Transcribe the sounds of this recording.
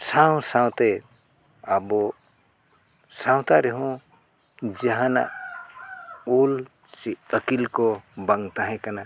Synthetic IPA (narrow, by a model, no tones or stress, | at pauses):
saw̃saw̃t̪ɛ | abɔ | saw̃t̪aɾɛɦũ | d͡ʒaɦãna̰ʔ | ul | siəkilkɔbaŋt̪aɦɛ̃kana